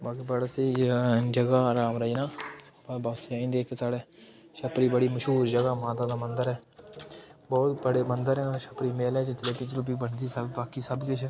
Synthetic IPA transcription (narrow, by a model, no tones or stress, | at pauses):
baːkiːbəɽsiːd͡ʒəɡaːɾaːmɾəiːnãːpabaːsãːĩnd̪eːkesaːɽeː | ʃəpɾiːbəɽiːməʃɦuːɾd͡ʒəɡaːmaːt̪aːd̪aːmənd̪əɾɛː | bɔːt̪bəɽeːmənd̪əɾɛːʃəpɾiːmeːlɛːt͡ʃət͡ʃəleːt̪ɪ̃ɲt͡ʃɾʊp̬iːbəɳd̪iːsəbbaːkiːsəbkɪt͡ʃʰ